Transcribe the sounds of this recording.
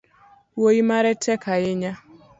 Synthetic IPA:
woimaɾɛtʰɛkʰaɪɲa

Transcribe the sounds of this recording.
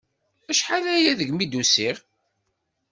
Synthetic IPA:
æʃħalæjæðəʝmid̪usiʁ

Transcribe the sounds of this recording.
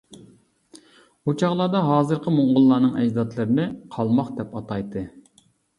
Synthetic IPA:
ut͡ʃʰɑʁlˠɑːd̪ɑɦɑːzɨɾqʰəmoɴʁʊlˠːɑːnɨŋɛd͡ʒd̪ɑt̪lˠɨɾɪnɪqʰɑlˠmɑχd̪ɛpɑt̪ʰɑjt̪ːɨ

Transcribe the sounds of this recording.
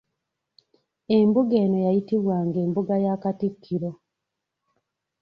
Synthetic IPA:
e̞mbuɡe̞ːno̞jajitiβwaːŋɡe̞ːmbuɡajakatikʰːiɾo̞

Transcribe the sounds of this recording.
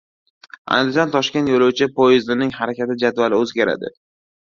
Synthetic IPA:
a̰nd̪ɪd͡ʒɒnt̪ʰɒʃkʲe̞nt̪jolowt͡ʃʰɪpʰojɪzd̪ɪnɪŋhaɾakʲat̪ɪd͡ʒad̪valɪɵzɡʲaɾa̰d̪ɪ̰

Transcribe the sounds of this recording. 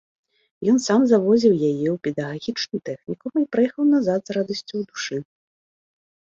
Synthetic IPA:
jɔnsamzavɔzʲiwjajɛwpʲɛd̪ɐɣaɣʲit͡ʂnut̪ɛxnʲikuipɾajɛxɐwnazad̪zɾad̪ɐsʲt͡sʲuwd̪uʂɨ

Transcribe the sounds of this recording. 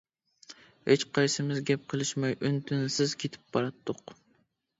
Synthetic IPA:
het͡ʃqʰɑjsɨmɪzɡʲɛp̚qʰəlˠɨʃmɑjʔynt̪ʰynsɪzkʲʰet̪ʰɪ̥p̚bɑɾɑt̪ʰːʊq

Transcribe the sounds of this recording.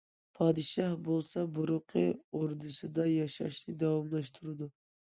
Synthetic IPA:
pʰɑːd̪ɨʃɑhbolˠsɑbʊɾʊqʰɨoɾd̪ɨsɨd̪ɑjɑʃɑ̰ʃnɨd̪ɑwɑmlˠɑʃt̪ʰuɾɨd̪ʊ

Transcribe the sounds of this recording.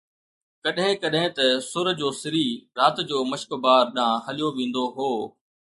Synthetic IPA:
kɐɗɦɪ̃kɐɗɦɪ̃t̪ɐsʊɾd͡ʑoːsɪɾiːɾaːt̪d͡ʑoːmɐʃkbaːɾɗãɦɐlijoʋẽːn̆d̪oɦoː

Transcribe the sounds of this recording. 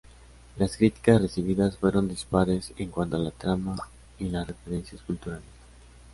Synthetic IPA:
laskɾit̪i̥kasre̞siβ̞iðasfwe̞ɾond̪ispaɾe̞seŋkwant̪oalat̪ɾama | ilasre̞feɾe̞nsjaskult̪uɾales

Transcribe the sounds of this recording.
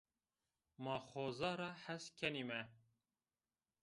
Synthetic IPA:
mɑːxoːzɑːɾɑːħæskʰɛnimɛ

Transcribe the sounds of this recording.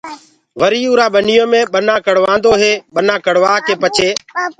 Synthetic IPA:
ʋəɾiːuːɾaːɓənɪjõːmẽːɓənãːkəɽ̤ʋãːnd̪oːɦeːɓənãːkəɽ̤ʋaːkeːpət͡ʃʰeː

